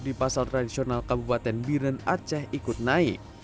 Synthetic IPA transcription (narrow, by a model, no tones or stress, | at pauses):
dipasalt̪ɾadisionalkabupat̪ɛnbiɾənat͡ʃɛhikʊt̪̚naik̚